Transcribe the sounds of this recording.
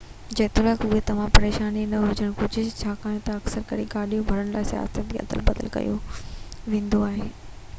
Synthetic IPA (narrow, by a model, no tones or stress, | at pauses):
d͡ʑeːt̪ɪɾəkʊɦet̪ɐʋ̤ãpɐɾeːʃaːninɐɦʊd͡ʑəɽ̃kʊd͡ʑʱʊ̆t͡ɕʰaːkaːjẽt̪ɐɐksəɾkɐɽiɡaːɗijõbʱɐɾəɽ̃laːɪsja̰ːsət̪̚biɐ̰d̪ə̰lbɐd̪ə̰lkɐ̰jo̰ | ʋẽːnd̪oaːɦeː